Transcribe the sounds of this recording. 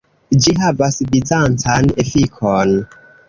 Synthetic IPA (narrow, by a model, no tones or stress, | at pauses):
d͡ʒiɦavasvizant͡sanefikʰon